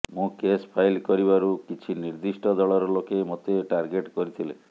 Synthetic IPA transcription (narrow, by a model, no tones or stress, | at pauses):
mũkespʰajlkɔɾibaɾukit͡ʃʰiniɾd̪isʈɔd̪ɔɭɔɾɔlokemot̪eʈaɾɡeʈkɔɾit̪ʰile